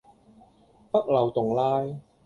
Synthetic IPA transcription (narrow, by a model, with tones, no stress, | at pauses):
pɐ˥k̚lɐ˨˩wt̪ʊ˨˩ŋlaː˥j